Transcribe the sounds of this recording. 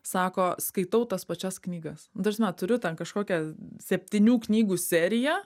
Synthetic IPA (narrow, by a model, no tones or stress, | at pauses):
sɑːkoːskɐɪt̪ɐʊt̪ɐspɐt͡ʃʲɛsknʲiːɡɐsʊd̪ɐɾʲsʲmʲɛtt̪ʊɾʲʊt̪ʲɛnkɐʃkoːkʲɛsʲɛpʲt̪ʲɪnʲuːknʲiːɡuːsʲæːɾʲɪjɛ